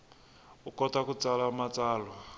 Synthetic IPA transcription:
ukʼɔtakut͡salamat͡sʼaːlwa

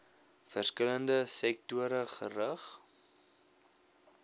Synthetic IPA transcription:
fərskələndəsɛk̚tuəɾəχərəχ

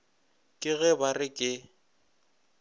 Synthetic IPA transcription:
kʼɪɣɛbarɪkʼɪ

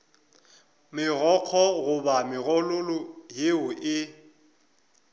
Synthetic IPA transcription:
mɪɣɔq͡χʰɔɣʊbamɪɣɔlʊlʊɦeʊʔɪ

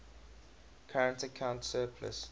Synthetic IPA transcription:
kʰaɹə̃ntəkʰãʊ̃ntsɜːpʰlə̰s

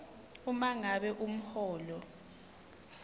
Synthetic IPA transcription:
umaŋaɓɛʔum̩hɔːlɔ

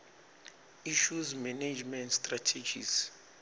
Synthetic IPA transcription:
iʃuzmaned͡ʒmɛ̃ntstʼratʰed͡ʒḭz̥

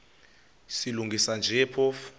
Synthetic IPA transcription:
siluŋɡʱisand͡ʒʱɛpʰɔf

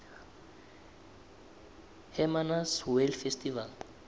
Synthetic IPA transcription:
hɛmanashuɛlfɛst̪ival

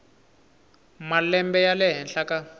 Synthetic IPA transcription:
malɛmbɛjalɛɦɛnɬaka

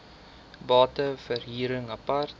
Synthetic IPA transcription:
bɑːtəfərɦiːɾəŋɐpɐrt

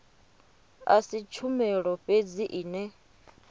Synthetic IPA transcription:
a̰sit͡ʃʰumɛɺɔɸʼed͡ziʔiːnɛ

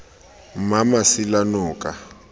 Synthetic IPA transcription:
mamasilanɔːkʼa

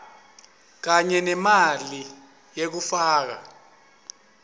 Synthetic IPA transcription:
k̬aɲɛnɛmali | jek̬ufaːk̬a̰

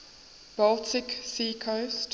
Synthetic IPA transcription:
b̥altʰɪksiːkʰost

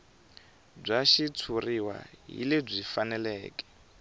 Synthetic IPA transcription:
b͡ʐʷaʃit͡sʰuriwa̰ɦḭleb͡ʐʷifanɛlɛːkɛ̥

